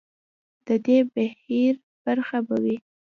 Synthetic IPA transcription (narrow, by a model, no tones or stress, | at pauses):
d̪̥əd̪ebahiɾ | b̥aɾxabawi